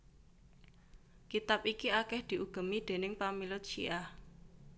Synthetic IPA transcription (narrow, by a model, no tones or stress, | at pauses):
kit̪ap̚ikiakɛhd̪̥i̤ʔuɡ̥ə̤mid̪̥e̤nɪŋpamilʊt̪̚t͡ʃḭʔah